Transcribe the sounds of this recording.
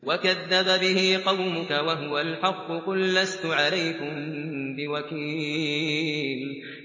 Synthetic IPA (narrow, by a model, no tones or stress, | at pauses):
wakaðːababɪhiːqɑwmʊkawaɦʊwalħɑqːʊqʊlːast̪ʊʕalajkʊmbɪwakiː | l